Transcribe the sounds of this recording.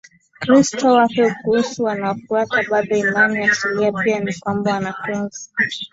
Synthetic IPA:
kɾistʰɔwapɛukuhusuwanaɔfuataɓaɗɔimanijasiliapianikwambawanafunzi

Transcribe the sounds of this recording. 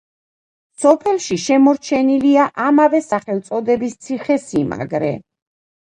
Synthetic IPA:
sɔpʰɛlˠʃiʃɛmɔɾt͡ʃʰɛniliaʔamavɛsaχɛlˠt̪sʼɔd̪ɛbist̪sʰiχɛsima̰ɡɾɛ̰

